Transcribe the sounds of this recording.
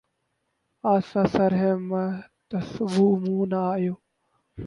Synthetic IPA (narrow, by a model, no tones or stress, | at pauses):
aːsasəɾɦemt̪ɐsʋuːmũːnaːjoː